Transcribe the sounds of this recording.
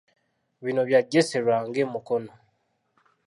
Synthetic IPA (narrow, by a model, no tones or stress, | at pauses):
βiːno̞βjaːɟeseɾwaːŋɡe̞ːmukono